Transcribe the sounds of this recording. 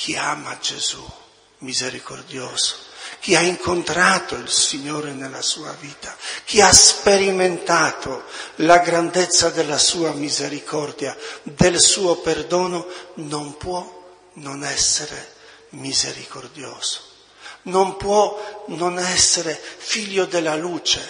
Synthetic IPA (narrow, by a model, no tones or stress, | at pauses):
kʰiaːmad͡ʒez̥u | mizeɾikord̪joːz̥o̥k̟iaiŋkont̪ɾaːt̪oilsiɲːoːɾenelːa̰suːa̰viːt̪ʰak̟iaspeɾiment̪aːt̪ʰolaɡɾand̪et̪sːad̪elːasuːamizeɾikʰɔrd̪jad̪elsuːoperd̪ɔːnonompwɔ | nonɛsːeɾḛ | mizḛɾikord̪jɔːz̥o̥ | nompwɔnonɛsːeɾefiʎːod̪elːaluːt͡ʃe